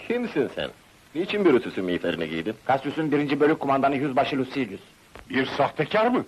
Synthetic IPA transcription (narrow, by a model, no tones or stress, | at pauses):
cʰimsinsæ̰n | nit͡ʃʰinbiɾøt̪ʰysynmiːflʲeɾiniɟḭjd̪inkʰasysynynbiɾind͡ʒibølʲykʰːumand̪anɯjyzbaʃɯlʲˠusilʲjys | biɾsaht̪ʰɛcʰaɾmɯ